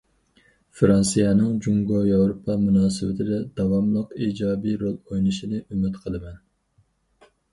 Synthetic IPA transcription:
fɾɑnsijɛnɨŋd͡ʒuŋɡɑjɑwɾopʰːɑmunɑːsɪwɪt̪ʰɪd̪ɛd̪̥ɑwɑmlˠəqiːd͡ʒɑːbijɾolˠojnɨʃinɨʔymɪt̪qʰəlˠɨmɛn

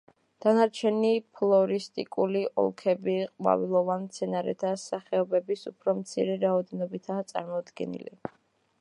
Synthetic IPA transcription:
d̪̥anaɾt͡ʃʰɛnipʰlˠɔɾist̪ʼikʼuliʔɔ̰lˠkʰɛbiqʼwa̰vilˠɔvant̪sʰɛnaɾɛ̰t̪ʰasaχɛɔbɛbisupʰɾɔmt̪sʰḭɾɛɾaɔd̪ɛnɔbit̪ʰaːt̪sʼa̰ɾmɔd̪ɡɛ̰nḭlḭ

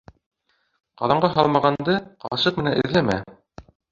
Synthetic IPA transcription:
qɑðɑɴɢɑɦɑlˠmɑʁɑnd̪ɤqɑ̰ɕɤq̚mɘ̆nænɘ̰̆ðlæmæ̰

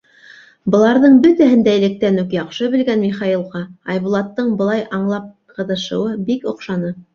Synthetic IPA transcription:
bɤ̆lˠɑɾðɤɴbɵt̪æhɘ̆nd̪æj̆lɘ̆k̚t̪ænʉkjɑqʃɤβɘ̆lɡænmiχɑilˠʁɑɑjβulˠɑt̪ːɤɴbɤ̆lˠɑjʔɑɴlˠɑp̚ | qɤ̆ðɤ̆ʃɤ̆wɤbikŏqʃɑnɤ

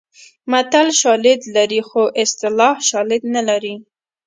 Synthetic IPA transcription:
mat̪alʃɑlɪd̪laɾixoʔɪst̪ɪlɑhʃɑlɪd̪nalaɾi

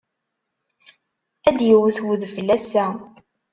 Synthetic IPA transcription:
æd̪jəwθwəðfəlːæsæ

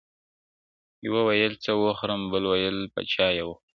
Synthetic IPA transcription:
jwawajəlt͡səwoxɾəmbəlwajəlpa̰t͡ʃɑjaw

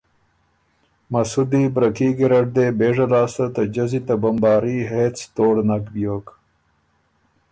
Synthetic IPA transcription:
mɐsud̪iːbɾɐkiːɡiɾɐʈ̚d̪eːbeːʐɐlaːst̪ɐt̪ɐd͡ʑɐzit̪ɐbɐmbɑːɾiɦeːt͡st̪oːɽnɐkbijoːk

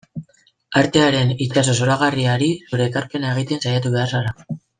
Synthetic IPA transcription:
aɾt̪e̞aɾe̞nit͡ʃaso̞soɾaɣ̞ariaɾisuɾe̞ːkaɾpe̞nae̞ɣ̞it̪e̞nsajat̪uβe̞arsala

